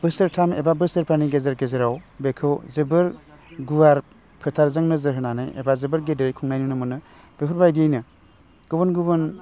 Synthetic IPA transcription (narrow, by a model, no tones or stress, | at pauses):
b̥ɯsɯɾtʰamḛbabɯsɯɾpʰaniɡezaɾɡezɯɾawbekʰɯwzɯbɯɾ | ɡuwaɾ | pʰɯtʰaɾzaŋnɯzɯɾɦɯnanajḛbazɯbɯɾɡedɯɾkʰuŋnajnunɯmɯnɯ | b̥ekʰuɾbajdiejnɯ | ɡ̥ubɔnɡubɯn